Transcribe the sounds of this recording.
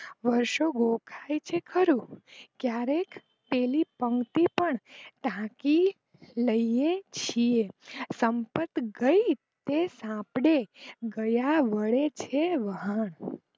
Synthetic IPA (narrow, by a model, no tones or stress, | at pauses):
ʋəɾʃoɡokʰajt͡ʃʰekʰəɾũkjaɾek | pelipəŋɡt̪ipəɳt̪ãki | ləiet͡ʃʰiesəmpət̪ɡəi | t̪esãpɽeɡəjaʋəɭet͡ʃʰeʋəɦəɳ